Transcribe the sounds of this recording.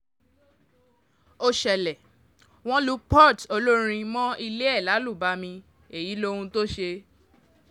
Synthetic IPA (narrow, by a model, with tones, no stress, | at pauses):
o˧ʃɛ˨lɛ˨ | w̃ɔ̃˦lu˦pɔ˦˨to˧lo˦ɾ̃ĩ˧mɔ̃˦i˧le˦ɛ˦˨la˨˦lu˦˨ba˨˦mĩ˧ | e˨ji˨˦lo˦ũ˧to˦ʃe˧